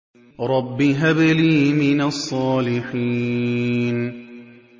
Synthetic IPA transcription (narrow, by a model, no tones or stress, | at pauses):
ɾˤɑbːiɦabɪliːmɪnasˤːɑːlɪħiː | n